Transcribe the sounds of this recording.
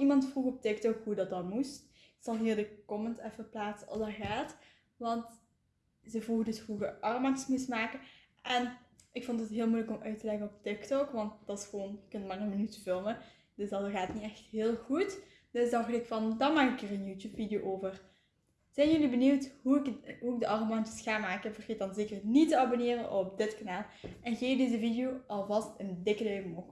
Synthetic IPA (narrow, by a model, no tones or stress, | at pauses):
imɑntfruɣɔp̚tɪk̚tɔkɦudɑt̚dɑtmust | ɪksɑlˠɦiːrdəkɔməntɛfəplaːtsəʔɑ̰lˠdɑɣaːt | ʋɑnt | zəvruɣədɵsfruɣəʔɑrmatsmɪsmaːkə | ʔɛnʔɪkfɔntətɦɪːlˠmujləkɔmœɥtəlɛɣəɔp̚tɪktɔkʋɑnt̚d̥ɑtɪsxəʋoːnjəkːɵntmaːrənmənytəvɪlˠmə | d̥ɵsdɑtɣaːtniɛxtɦeːlˠɣut | d̥ɵsdɑdɪtfɑndɑmaːkɪkeːrənjuːtjuːpfidijoːʔoːvər | z̥ɛjnjɵlibənywthuɪkɦuɪɡ̚dəʔɑromɑntəsxaːmaːkəvərxeːt̚dɑnzeːkərnitəɑboneːrənʔɔp̚dɪtkanaːlˠʔɛnɣeːdezəvidijoːʔɑlˠvɑstəndɪkədœɥmo